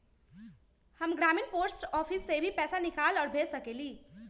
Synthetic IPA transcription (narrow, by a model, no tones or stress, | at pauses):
həmɡɾaminpoɾsʈɔpʰisːebʱipɛːsanikalɔːɾbʱesəkeliː